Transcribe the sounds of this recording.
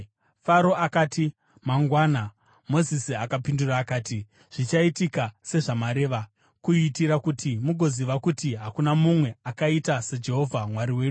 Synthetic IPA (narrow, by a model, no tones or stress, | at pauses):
faɾo̞ʔakaːti | maŋɡwaːna | mo̞zisiakapinduraːkaːti | ʐ̥it͡ʃaitikase̞ʐamaɾe̞ːʋa | kuitiɾakutʰimuɡʱo̞ziʋakutiɦakunamumwe̞akaitased͡ʒe̞ɦo̞vʱamwaɾiwe̞ːɗu